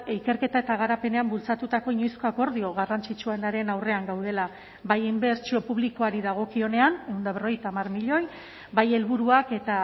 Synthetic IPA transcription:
ike̞ɾke̞t̪ae̞t̪aɣ̞aɾape̞ne̞ambult͡sat̪ut̪ako̞iɲo̞jsko̞ako̞ɾðio̞ɣarant͡sit͡ʃuenaɾe̞nawre̞aŋɡawð̞e̞la | βajimbe̞ɾt͡sio̞puβliko̞aɾiðaɣ̞o̞kio̞ne̞ane̞wnd̪aβ̞ero̞jt̪aːmaɾmiʎo̞j | baje̞lβuɾuake̞t̪a

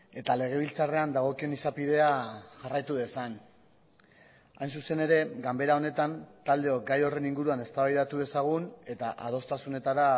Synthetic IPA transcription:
e̞t̪ale̞ɣ̞e̞β̞ilt͡sare̞and̪aɣ̞o̞kie̞nisapið̞e̞aʝarajt̪uðe̞san | ajnsuse̞ne̞ɾe̞ɡambe̞ɾao̞ne̞t̪ant̪ald̪e̞oɡajo̞re̞niŋɡuɾuane̞st̪aβajðat̪uðe̞saɣ̞une̞t̪aʔað̞o̞st̪asune̞t̪aɾa

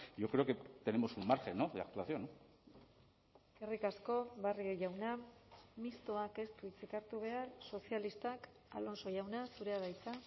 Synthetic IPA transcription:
ʝo̞kɾeoket̪ene̞mo̞sulmaɾxe̞noðea̰k̚t̪uaθio̞no | kerikasko̞βarieʝawnamist̪o̞ake̞st̪uit͡sikaɾt̪uβ̞e̞arso̞sialist̪ak | a̰lo̞nso̞jawnasuɾe̞aðajt͡sa

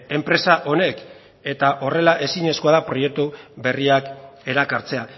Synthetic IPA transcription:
e̞mpɾe̞saʔo̞ne̞k | e̞t̪aʔo̞re̞laʔe̞siɲe̞sko̞aðapɾo̞je̞k̚t̪ube̞riake̞ɾakaɾt͡se̞a

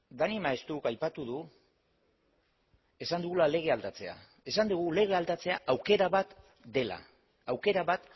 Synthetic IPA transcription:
d̪animae̞st̪ukajpat̪uð̞u | e̞sand̪uɣulale̞ɣ̞e̞ald̪at͡se̞a̰ | e̞sand̪uɣ̞ule̞ɣ̞e̞ald̪at͡se̞aʔawke̞ɾaβat̪ | d̪e̞la̰ | awke̞ɾaβat̪

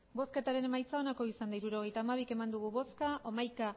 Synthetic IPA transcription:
bo̞ske̞t̪aɾe̞ne̞majt͡sao̞nako̞isand̪aiɾuɾo̞ɣ̞e̞jt̪aːmaβ̞ike̞mand̪uɣ̞uβo̞skaʔo̞majka

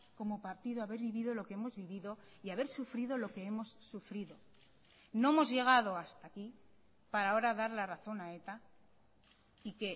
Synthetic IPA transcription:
ko̞mo̞paɾt̪iðoaβe̞ɾβiβiðo̞lo̞ke̞emo̞zβiβiðo̞ | iaβ̞e̞ɾsufɾiðo̞lo̞ke̞emo̞sːufɾiðo̞ | no̞emo̞zʝe̞ɣ̞að̞o̞ast̪aki | paɾao̞ɾaðaɾlaraθo̞nae̞t̪a | ike̞

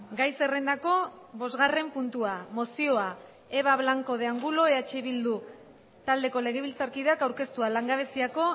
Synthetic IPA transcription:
ɡajse̞re̞nd̪ako̞ | βo̞zɣare̞mpunt̪uamo̞sio̞a | e̞βaβlaŋko̞ð̞e̞aŋɡulo̞eat͡ʃeβild̪u | t̪ald̪e̞ko̞le̞ɣ̞eβilt͡saɾkiðakawɾke̞st̪ualaŋɡaβ̞e̞siako̞

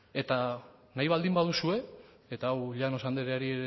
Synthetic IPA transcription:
e̞t̪anajβ̞ald̪imbaðusue̞ | et̪aːwʎano̞sand̪eɾeaɾieɾ

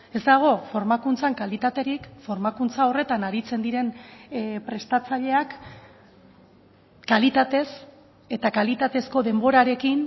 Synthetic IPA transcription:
e̞zd̪aɣ̞o̞fo̞ɾmakunt͡saŋkalit̪at̪e̞ɾikfo̞ɾmakunt͡sao̞re̞t̪anaɾit͡se̞nd̪iɾe̞n | pɾe̞st̪at͡saʎe̞ak | alit̪at̪e̞s | e̞t̪akalit̪at̪e̞sko̞ðe̞mbo̞ɾaɾe̞kin

